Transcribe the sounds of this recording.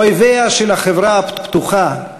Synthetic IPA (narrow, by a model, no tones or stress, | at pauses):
ojveaʃelaχevɾaapt̪uχa